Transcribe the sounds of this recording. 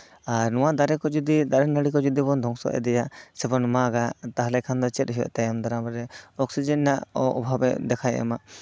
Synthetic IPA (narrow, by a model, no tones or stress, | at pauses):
aɾnɔwad̪aɾɛkɔd͡ʒud̪id̪aɾɛnəɽikɔd͡ʒud̪ibɔnd̪ʱɔŋsɔ̰ʔɛ̰d̪ɛjaʔsɛbɔnmaɡat̪aɦlɛkʰand̪ɔt͡ʃɛt̪̚ɦiwɛ̰ʔt̪ajamd̪aɾamɾɛɔksid͡ʒənːaʔɔʔɔbʱabɛd̪ɛkʰaj̰a̰maʔ